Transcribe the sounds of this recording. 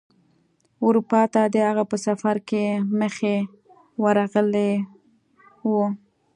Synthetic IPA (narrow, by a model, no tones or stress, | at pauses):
ʊɾupɑt̪ad̪əaɣapəsafaɾkeməxe | wəɾaɣəle | wu